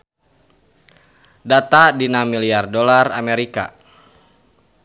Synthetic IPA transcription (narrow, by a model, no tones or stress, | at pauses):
dat̪adinamiliardolaramɛɾika̰